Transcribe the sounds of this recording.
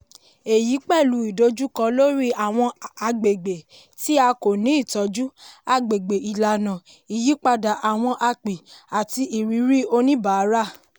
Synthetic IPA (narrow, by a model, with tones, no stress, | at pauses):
e˨ji˨˦k͡pɛ˦˨lu˧˦i˨do˧˦d͡ʒu˦kã˧lo˦ɾi˦a˨w̃ɔ̃˧a˧ɡ͡be˨ɡ͡be˨ | ti˦a˧ko˨nĩ˨˦i˦˨tɔ˨˦d͡ʒu˦a˧ɡ͡be˨ɡ͡be˨ʔi˨la˨nã˨ | i˨ji˨˦k͡pa˧da˨ʔa˨w̃ɔ̃˧ʔa˧k͡pi˨a˨ti˧ʔi˨ɾi˨˦ɾi˦o˧nĩ˦ba˨˦ɾa˦˨